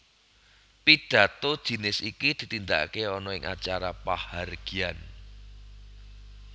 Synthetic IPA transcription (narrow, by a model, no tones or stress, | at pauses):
pid̥ä̤t̪od̥ʒ̥i̤nɪsikid̪̥i̤t̪ind̪a̰ʔkeɔnɔɪŋʔa̰t͡ʃaɾapaharɡ̥i̤an